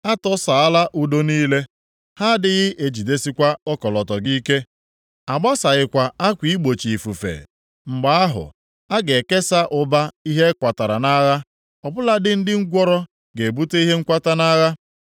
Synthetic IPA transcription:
a˦tɔ˦sa˨a˦la˦ʔu˨do˦niː˦le˦ | ha˦dɪ˦ɣɪ˦ʔe˨d͡ʒi˨de˦si˦kʷa˦ɔ˦kɔ˨lɔ˨tɔ˨ɡi˦ke˦ | a˨ɡ͡ba˦sa˨ɣɪ˨kʷa˨a˦kʷi˨˦i˦ɡ͡bo˨t͡ʃi˨fu˨fḛ˨ | ŋ͡m̩˨ɡ͡ba˨a˦ɦʊ̰˨ | a˦ɡe˨ke˦sa˦ʔʊ˨ba˦i˦ɦe˦kʷa˨ta˨ɾa˨na˦ɣa˦ | ɔ˨bʊ˦la˦dɪ˦n̩˦dɪ˦ŋ̩˦ɡʷɔ˦ɾɔ˦ | ɡe˨bu˦te˦i˦ɦe˦ŋ̩˦kʷa˦ta˦na˦ɣa˦

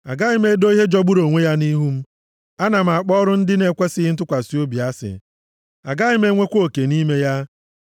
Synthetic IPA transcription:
a̰˨ɡa˦ɣɪ˦me˦do˦i˦ɦe˦d͡ʒɔ˦ɡ͡bu˦ɾo˨ŋʷe˦ja˦ni˦ɦu˦m̩˦ | a˦na˨m̩˨a˨k͡pɔ˦ɔ˦ɾʊ˦n̩˦dɪ˦ne˨kʷe˦sɪ˦ɦɪ˦n̩˦t̬ʊ˦kʷa˨si˦o˦bi˨a˦sɪ̰˨ | a˨ɡa˦ɪ˦me˦ŋʷe˦kʷo˦˨ke˨ni˦me˦ja˦

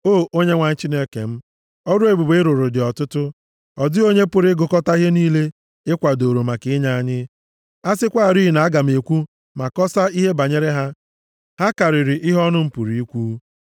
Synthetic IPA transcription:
o˦˨o˦ɲe˦ŋʷa˨ɲ̩˦t͡ʃi˦ne˦kḛ˨m̩˦ | ɔ˦ɾʊ˦e˨bu˨be˦ɾʊ˨ɾʊ˨dɪ˨ɔ˨tʊ˦tʊ˦ | ɔ˨dɪ˦o˦ɲe˦pʊ˨ɾɪ˦ɡʊ˨kɔ˦ta˦ɦe˦niː˦le˦ | ɪ˦kʷa˨do˨ɾo˨ma˨kɪ˦ɲa˦a˦ɲɪ˦ | a˦sɪ˦kʷa˦˨ɾi˦i˨na˨a˦ɡa˨m̩˨e˨kʷu˦ | ma˨kɔ˦sa˦i˦ɦe˦ba˨ɲe˦ɾe˦ɦa˦ | ha˦ka˨ɾɪ˨ɾɪ˨ʔɪ˦ɦɔ˦nʊ˦m̩˦pu˨ɾi˨i˦kʷu˦

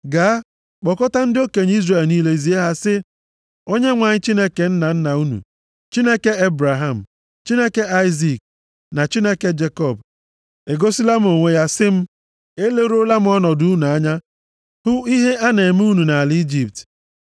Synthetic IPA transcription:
ɡa˨˦ | k͡pɔ˨kɔ˦ta˦n̩˦dɪ˦o˦ke˨ɲ˦i˦zre˨lniː˦le˦zi˨˦e˦ɦa˦sɪ˦ | o˦ɲe˦ŋʷa˨ɲɪ˦t͡ʃi˦ne˦ke˨n̩˦na˨n̩˦na˨u˦nṵ˨ | t͡ʃi˦ne˦ke˦e˦bɾa˨ɦa˨m̩˨ | t͡ʃi˦ne˦ke˦a˦ɪ˦zi˨k̚ | na˨t͡ʃi˦ne˦ke˦d͡ʒe˦kɔ˦˨b | e˨ɡo˦si˦la˦m̩˦o˨ŋʷe˦ja˦sɪ˦m̩˦ | e˦le˦ɾo˦la˦m˦ɔ˦nɔ˨du˨˦u˦nu˨a˦ɲa˦ | hʊ˦i˦ɦe˦a˦ne˨m˦u˦nu˨na˨li˦d͡ʒi˦p̚t

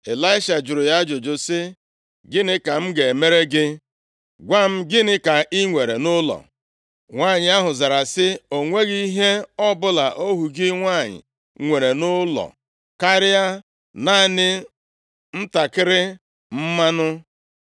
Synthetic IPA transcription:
e˨la˦ɪ˦ʃa˨d͡ʒʊ˨ɾʊ˨ja˦d͡ʒʊ˨d͡ʒʊ˨sɪ˦ | ɡɪ˦nɪ˦ka˨m̩˦ɡe˨me˦ɾe˦ɡɪ˦ | ɡʷa˦m̩˦ɡɪ˦nɪ˦ka˨ʔi˦ŋʷe˨ɾe˨nʊ˦lɔ̰˨ | ŋʷa˦˨ɲɪ˨a˦ɦʊ˨za˨ɾa˨sɪ˦o˨ŋʷe˦ɣi˦ɦe˦ɔ˦bʊ˦la˨ʔo˦ɦu˨ɡɪ˦ŋʷa˦˨ɲɪ̰˨ | ŋʷe˨ɾe˨nʊ˦lɔ̰˨ | ka˦ɾɪ˦a˦ | na˦˨nɪ˦ | n̩˦ta˨kɪ˦ɾɪ˦ | m̩˦ma˦nʊ˦

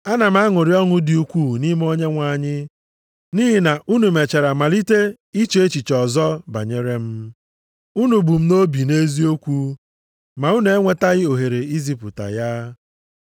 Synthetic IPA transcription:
a˦na˨m̩˦a˦ŋʊ˨ɾi˦ɔ˦ŋʊ˦dɪ˨u˦kʷu˦˨ni˦m˦o˦ɲe˦ŋʷa˨˦˨ɲɪ˦ | ni˦ɦi˨na˨ʔu˦nu˨me˨t͡ʃe˨ɾa˨ma˨li˦te˦ | i˦t͡ʃe˨e˦t͡ʃi˨t͡ʃɔ˨zɔ˦ba̰˨ɲe˦ɾe˦m̩˦ | u˦nu˨bu˨m̩˦no˦bi˨ne˦zi˦o˦kʷu˦ | ma˨u˦n˨e˦ŋʷe˦ta˦ɣɪ˦o˨ɦe˨ɾe˨i˦zi˦pʊ˨ta̰˨ja˦

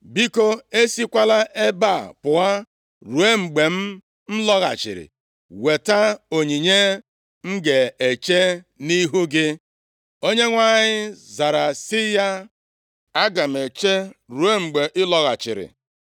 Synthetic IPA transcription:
bi˦ko˦e˦si˦kʷa˦la˦ʔe˦ba˦˨pʊ˨a˦ | ɾu˨e˦ŋ͡m̩˨ɡ͡be˨m̩˦ | n̩˦lɔ˦ɣa̰˨t͡ʃɪ̰˨ɾɪ̰˨ | we˨ta˦o˨ɲi˨ɲe˦ | ŋ̩˦ɡe˨e˨t͡ʃe˦ | ni˦ɦu˦ɡɪ˦ | o˦ɲe˦ŋʷa˨ɲɪ˦za˨ɾa˨sɪ˦ja˦ | a˦ɡa˨m̩˨e˨t͡ʃe˦ɾu˨e˦ŋ͡m̩˨ɡ͡be˨ʔɪ˦lɔ˦ɣa̰˨t͡ʃɪ̰˨ɾɪ̰˨

